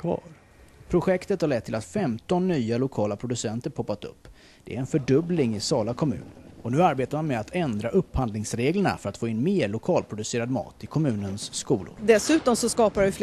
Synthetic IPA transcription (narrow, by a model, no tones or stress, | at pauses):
kʰvɑ̰ːɾ | pʰɾʊɧɛkt̪ət̪haɾɭɛt̪ʰːɪlat̪fɛmt̪ɔnːyːalʊkʰɑːlapʰɾʊd̪ɵsɛnt̪əɾpʰɔpːat̪ɵ̰pː | d̪̥ɛ̰æɾɛnfœɖɵblɪŋɪsɑːlakʰɔmʉ̟̰ːnɔnʉ̟ːaɾbeːt̪aɾmanmɛat̪ʰɛnd̪ɾaʔɵpːhand̪lɪŋsɾeːɡləɳa̰fœɾat̪foːɪnːmeːɭʊkʰɑːlpʰɾʊd̪ɵseːɾad̪mɑ̰ːt̪ɪkʰɔmʉ̟ːnənskuːlʊ̰ɾd̪ɛsʉ̟ːt̪ɔmsɔskɑːpaɾɪf